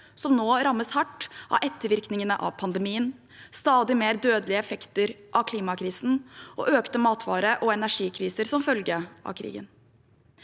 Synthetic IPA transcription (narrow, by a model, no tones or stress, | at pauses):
sɔmnoːɾɑmːəshɑʈːʔɑ̰ʔɛt̪ːəɾʋɪɾknɪŋənəʔɑ̰ʋpʰɑnd̪ɛmiːən | st̪ɑːd̪ɪmeːɾd̪øːd̪əlɪəɛfɛkt̪əɾʔɑkʰliːmɑkʰɾiːsn̩ʔɔ̰ʔøːkt̪əmɑːt̪ʰʋɑ̰ːɾəʔɔɛnæʂiːkʰɾiːsəɾsɔmfœlɡəʔɑ̰kʰɾḭːɡə̰n